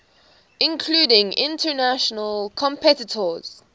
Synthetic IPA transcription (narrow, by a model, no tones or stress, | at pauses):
ɪ̃nkʰluːdɪ̃ŋɪ̰̃ntʰənaʃənəlkʰɔ̃mpʰɛtɪtʰəz̥